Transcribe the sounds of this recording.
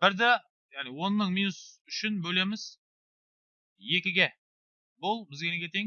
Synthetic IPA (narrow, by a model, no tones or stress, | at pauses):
b̥ɪɾd̪e | jaʁniwo̞nːəɴminusʏʃɪnbɵle̞mɪz̥ | je̞kʲɪɡʲe | bʊlˠbɪzɡʲenekʲʰet̪eŋ